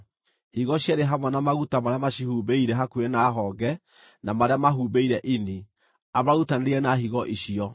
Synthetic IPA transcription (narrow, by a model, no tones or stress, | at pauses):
hiɣɔɕjaɾeɦamwɔnamaɣutamaɾeamaɕihuːbeiɾɛɦakuenaɦɔːɡɛ | namaɾeamaɦubeiɾɛʔeni | amaɣutaneɾeɛnaɦiɣɔʔeɕiɔ